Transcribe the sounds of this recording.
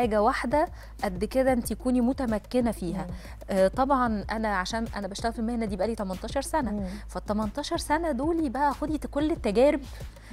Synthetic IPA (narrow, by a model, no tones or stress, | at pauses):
aːɡæwaħd̪æ | ʔæd̪ːked̪æʔent̪æjækuːnimot̪æmækːenæfiːɦæ | t̪ˤɑbʕɑnʔænæʕaʃæːnʔæ̰næbæʃt̪æɣælfilmehnæd̪iːbʔæliːt̪æmɑnt̪ˤɑːʃɑɾˤsænæfæt̪ːˤæmɑnt̪ˤɑːʃɑɾˤsænæd̪oːlibæʔæxod̪ikolːet̪ːæɡæːɾeb